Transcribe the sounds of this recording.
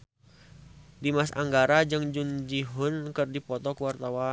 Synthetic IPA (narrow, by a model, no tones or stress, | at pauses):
dimasa̰ŋɡaɾad͡ʒɨŋd͡ʒund͡ʒiɦʊnkɨrdipɔt̪ɔkuwart̪awa